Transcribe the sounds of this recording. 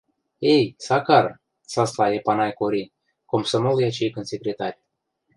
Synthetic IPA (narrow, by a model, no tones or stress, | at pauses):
ejsakaɾ | saslaepanajkoɾʲin | komsəmolˠjat͡ʃejkɨnsʲekɾʲet̪arʲ